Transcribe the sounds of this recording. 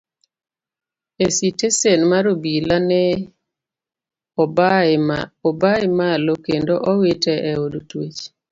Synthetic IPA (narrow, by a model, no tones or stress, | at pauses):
esitesenmaɾobilanɛ | ɔbaɪmalokendoʔɔwetɛʔɛodotwet͡ʃ